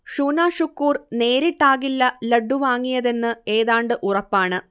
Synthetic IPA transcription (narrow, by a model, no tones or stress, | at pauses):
ʂuːnaːʂukːuːrne̞ːɾiʈːaːɣilːɐlɐɖːuʋaːŋːijɐðe̞nːɨe̞ːðaːɳɖɨʔurɐpːaːɳɨ